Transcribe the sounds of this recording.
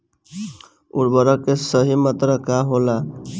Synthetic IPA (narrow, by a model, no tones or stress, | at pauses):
uɾbəɾəkesəɦimət̪ɾəkaɦola